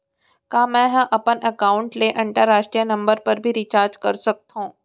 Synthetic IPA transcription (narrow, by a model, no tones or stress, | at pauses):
kaːmɛ̃ɦɐ̃ʔɐpənʔɐkaːʊ̃ɳʈleʔɐ̃ɳʈəɾːaːʃʈɾijənɐ̃mbəɾpɐɾbʱiɾit͡ʃaːɾd͡ʒkɐɾsɐk̚t̪ɦũː